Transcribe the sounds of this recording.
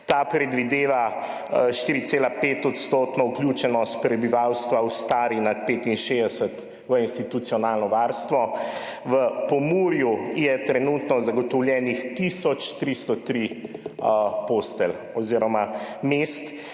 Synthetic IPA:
t̪apɾɛd̪ʋid̪eːʋa | ʃt̪iːɾit̪seːlapeːt̪ɔt̪st̪oːt̪nɔuklʲjuːt͡ʃɛnɔst̪̚pɾɛbiʋawst̪ʋawst̪aːɾinat̪̚peːt̪inʃeːd̪ɛsət̪ | ʋəinst̪it̪ut̪sijɔnaːlnɔʋaɾst̪ʋɔʋəpɔmuːɾjujɛt̪ɾɛnuːt̪nɔzaɡɔt̪ɔwljɛːnixt̪isɔt͡ʃt̪ɾist̪ɔt̪ɾi | post̪ɛl | ɔziːɾɔmameːst̪

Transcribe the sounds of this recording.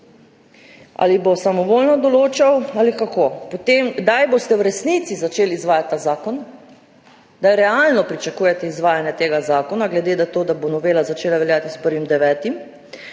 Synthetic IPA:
a̰libosamɔʋolnɔd̪ɔloːt͡ʃawalikakoːpot̪emɡd̪ajbost̪ɛwɾɛsnit̪sizat͡ʃelizʋaːjat̪̚ʲt̪ːaːzaːkɔn | d̪ajɾɛalnɔpɾit͡ʃakuːjɛt̪ɛizʋaːjanjɛt̪eːɡazaːkɔnaɡlɛd̪eːd̪at̪oːd̪abonɔʋeːlazat͡ʃeːlaʋɛljaːt̪ispəɾʋimd̪ɛʋɛːt̪im

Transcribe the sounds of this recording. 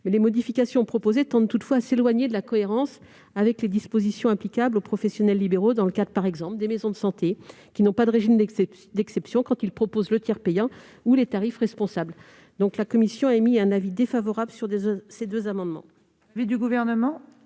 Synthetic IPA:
mɛlemɔd̪ifikasjɔ̃pχɔpozet̪ɑ̃d̪̚t̪ut̪fwaːselwaɲed̪əlakɔeʁɑ̃s | avɛkled̪ispozisjɔ̃ɛ̃plikablopχɔfɛsjɔnɛlːibeʁod̪ɑ̃ləkad̪ʁəpaʁɛɡzɑ̃pld̪emezɔ̃d̪əsɑ̃t̪e | kʲinɔ̃pad̪əʁeʒimd̪ | d̪ɛksɛpsjɔ̃kɑ̃t̪ilpχɔpozlət̪jɛʁpejɑ̃ | ulet̪aʁifʁɛspɔ̃sabl | d̪ɔ̃klakɔmisjɔ̃aɛmiɛ̃navid̪efavɔʁabləsyʁd̪esed̪øzamɑ̃d̪mɑ̰̃ | vid̪yɡuvɛʁnəmɑ̃

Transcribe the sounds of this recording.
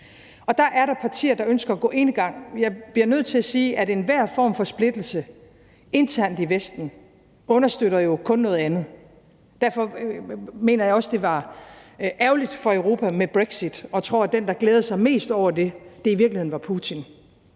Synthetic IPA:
ɒ̽d̥ɑ̈ʔæɐɾɑ̈pʰɑ̈t͡sʰḭːɐd̥ɑ̈ønsɡ̥ɐɒɡ̥ɔ̰̽ːʔe̝nɡ̥ɑ̈ŋ̰jɑ̈ɪb̥liɐnøð̞̰ˠt͡sʰe̝læsiːʔæɾe̝nʋæɐ̰fɒ̰ːmfɒ̽sb̥le̝d̥l̩sə | e̝nt͡sʰæɐ̰nd̥iʋesd̥n̩ | ɔ̽nɐsd̥øɾ̥ɐjo̝kʰɔ̽nːɔ̽ːð̩ˠænð̞̩ˠ | d̥æɐ̰fɒ̽ | me̝̰ːnɐjɑɒ̽sd̥e̝ʋɑ̈ | ʔæʊlid̥fɒ̽eʊʁo̝ːpʰæmeb̥ʁeɡ̥sid̥ɒ̽t͡sʰʁo̝ɐd̥end̥ɑ̈ɡ̥leːð̞ˠəsɑ̈ɪme̝̰ːsd̥ɒʊ̰ɐd̥e̝d̥e̝iʋiɐɡ̥lihe̝nʋɑ̈pʰuːt͡sʰin

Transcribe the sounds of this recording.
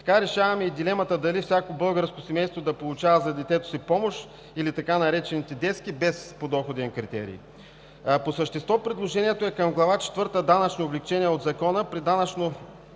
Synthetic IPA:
t̪ɐ̥kaɾɛʃavɐmɛid̪ilɛmɐt̪əd̪ɐlifsʲakobɤlˠɡəɾskosɛmɛjst̪vod̪ɐpolˠʊt͡ʃavɐzɐd̪ɛt̪ɛt̪o̥sipɔmoʃ | ilit̪ɐkanɐɾɛt͡ʃɛnit̪ɛd̪ɛskibɛspod̪ɔxod̪ɛnkɾit̪ɛ̰ɾḭː | posəʃt̪ɛst̪vɔpɾid̪lˠoʒɛniɛt̪oɛkɐmɡlˠɐvat͡ʃɛ̥t̪vɤɾt̪əd̪anɐt͡ʃnoʊblɛkt͡ʃɛniɛod̪zɐkɔnəpɾid̪anɐt͡ʃno

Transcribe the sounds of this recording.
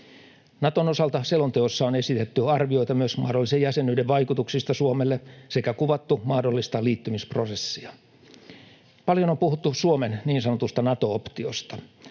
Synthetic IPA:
nɑt̪ono̞sɑlt̪ɑselont̪eosːɑone̞sit̪et̪ːyɑrʋio̞it̪ɑmyøsmɑ̰ːdolːisejjæsenːˑyːdeʋʋɑjkut̪uksist̪ɑsuomelːese̞kækuʋɑt̪ːumɑhdolːist̪ɑliːt̪ːymispro̞sesːiɑ | pɑljonompuhut̪ːusuomenniːnsɑnot̪ust̪ɑnɑt̪o̞opt̪iost̪ɑ

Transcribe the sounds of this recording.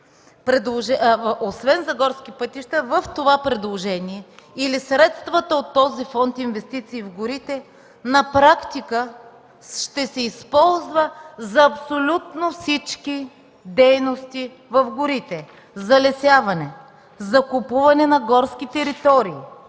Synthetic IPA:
pɾɛd̪lˠoʒɛosvɛnzɐɡɔɾsk̟ipət̪iʃt̪əvəft̪ovapɾɛd̪lˠoʒɛniɛilisɾɛt̪st̪vət̪əot̪ːɔzifɔnt̪invɛst̪it̪siːvɡoɾit̪ɛ | nɐpɾakt̪ikə | ʃt̪ɛsɛispɔlˠzvəzɐːpsolʲut̪nofsit͡ʃki | d̪ɛjnost̪i | vɐfɡʊɾit̪ɛ | zɐlɛsʲjavɐnɛ | zɐkopuvɐnɛnɐɡɔɾsk̟it̪ɛɾit̪ɔɾiː

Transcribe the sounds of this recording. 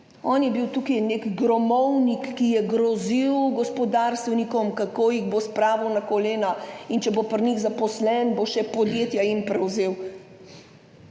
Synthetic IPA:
ɔːnjɛbiwt̪uːkijnekɡɾɔmɔwnikːijɛɡɾɔziwɡɔspɔd̪aːɾst̪ʋɛnikɔmkakoːjiɣbospɾaːʋɐwnakɔleːnaint͡ʃɛbopɾniɣzapɔslɛnboʃɛpɔd̪jeːt̪jaimpɾɛwzeːw

